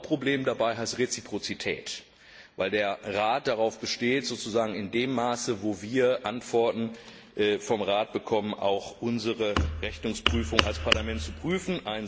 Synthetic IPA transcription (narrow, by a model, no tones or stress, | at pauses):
pʁ̥obleːmdabaɪɦaɪstʁet͡sipʁ̥ot͡sitʰɛ̰ːt | vaɪldeːɐʁaːt̚d̥aʁaʊfb̥əʃteːtz̥oːt͡suzaːɡŋ̩ɪndeːmːaːsəvoːviːɐʔantv̥ɔɐtn̩ | ʔɛːfɔmʁaːt̚b̥əkʰɔmənʔa̰ʊxʔʊnzəʁəʁɛçnʊŋspʁ̥yːfʊŋʔa̰lspʰaɐlamɛntt͡supʁ̥yːfn̩ʔaɪn